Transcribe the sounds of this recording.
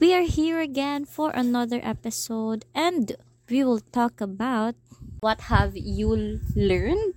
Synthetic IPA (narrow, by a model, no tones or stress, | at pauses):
wiaɹhiɹɐɡɛ̃nfɔɹʔɐ̰nʌðəɹʔɛpɪsoʊd̪ʔɛ̃nd̪ | wiwɪlt̪ɔkɐbawt̪̚wʌt̪havjulɛɹnd̚